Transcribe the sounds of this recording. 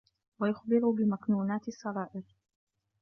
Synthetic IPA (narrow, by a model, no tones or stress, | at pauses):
wajʊxbɪɾubɪmaknuːnaːt̪ɪsˤːɑɾˤɑːʔɪɾ